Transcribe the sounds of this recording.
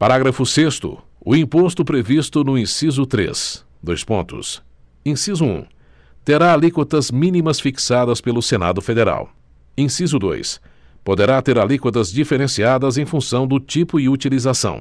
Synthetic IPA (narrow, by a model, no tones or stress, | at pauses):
paɾaɡɾɐfʊsest̪ʊ̰ | ʊĩpost̪ʊpɾevist̪ʊnʊĩsizʊt̪ɾḛs | d̪ojspõ̰nt̪ʊ̰s | ĩsizʊṵ̃ | t̪eɾaalikwot̪ɐzmĩnimɐsfiksad̪ɐspelʊsena̰d̪ʊfed̪eɾa̰w | ĩsizʊd̪o̰js | pod̪eɾat̪eɾalikot̪ɐzd͡ʒifeɾẽsiad̪ɐzẽj̃fũsɐ̃w̃d̪ʊt͡ʃipʊɪut͡ʃilizasɐ̰̃w̃